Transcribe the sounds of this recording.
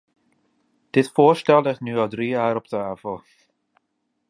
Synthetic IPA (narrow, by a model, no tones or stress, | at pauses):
d̥ɪtfoːɹstɛlˠdəχnyːɔlˠdriːaːɾɔptəavəlˠ